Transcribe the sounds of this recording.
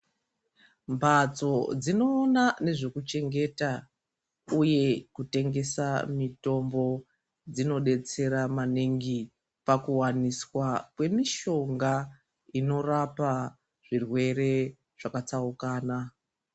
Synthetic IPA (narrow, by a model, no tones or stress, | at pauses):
mbʱat͡so̞d͡zino̞ːnane̞ʐe̞kut͡ʃe̞ŋɡe̞ta | uje̞kute̞ŋɡe̞samito̞mbo̞ | d͡zino̞ɗe̞t͡se̞ɾamaneŋɡi | pakuwaniswakwe̞miʃo̞ŋɡa | ino̞rapa | ʐ̥irwe̞ɾe̞ | ʐ̥akat͡saukaːna